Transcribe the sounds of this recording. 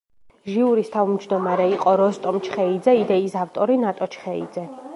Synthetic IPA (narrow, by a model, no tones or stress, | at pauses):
ʒiuɾist̪ʰavmd͡ʒd̪ɔmaɾɛiqʼɔɾɔst̪ʼɔmt͡ʃʰχɛid̪zɛid̪ɛisaft̪ʼɔɾinat̪ʼɔt͡ʃʰχɛḭd̪zɛ